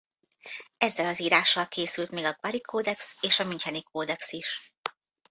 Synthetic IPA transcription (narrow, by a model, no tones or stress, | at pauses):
ɛzːɛlɒziːɾaːʃːɒlkʰeːsylt̪meːɡɒɡvaɾikʰoːd̪ɛkseːʃɒmyɲcɛnikʰoːd̪ɛksiʃ